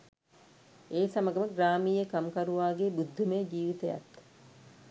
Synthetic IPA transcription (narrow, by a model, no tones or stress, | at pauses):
eːsɐmɐɡɐməɡɾaːmiːjekamkɐɾuʋaːɡebud̪ʱːumejd͡ʒiːʋit̪ejɐ̰t̪ː